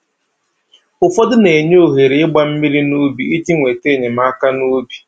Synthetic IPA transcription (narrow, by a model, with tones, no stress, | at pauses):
ʊ˨fɔ˦dʊ˦ne˨ɲo˦o˨ɦe˨ɾe˨˦ɪ˦ɡ͡ba˦m̩˦mi˦ɾi˦nu˦bḭ˨i˦ti˦ŋʷe˨te˦˨ɲe˨m̩a˦ka˦nu˦bi̥˨